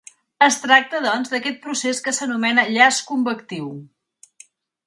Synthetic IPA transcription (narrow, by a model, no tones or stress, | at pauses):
əst̪ɾak̚t̪əðɔnzd̪əkɛt̪̚pɾuseskəsənumɛnəʎaskumbəkt̪iw